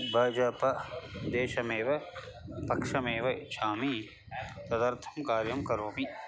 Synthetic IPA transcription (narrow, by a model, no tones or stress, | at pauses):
bʱɐːd͡ʒɐpɐd̪eːʃɐmeːʋɐ | pɐkʂɐmeːʋɐt͡ʃʰaːmi | t̪ɐd̪ɐɾt̪ʰɐmkaːɾjɐmkɐɾoːmi